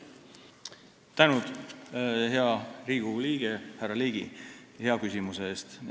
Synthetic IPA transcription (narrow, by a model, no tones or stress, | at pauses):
t̪ænud̪̥ | ɦeɑriːɡ̥uliːɡ̥ehærɑliːɡ̥ḭheɑkysʲimuseeːst̪